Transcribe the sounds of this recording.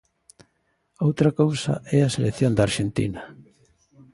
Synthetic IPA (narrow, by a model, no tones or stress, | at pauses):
owt̪ɾɐkowsɐ̰ʔɛɐseleθjond̪ɐaːɾʃent̪ḭnɐ